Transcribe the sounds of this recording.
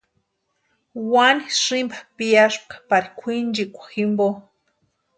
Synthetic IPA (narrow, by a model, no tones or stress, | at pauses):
waniʂimbḁpijaʂp̚kḁpaɾikʷʰind͡ʒikʷḁximbo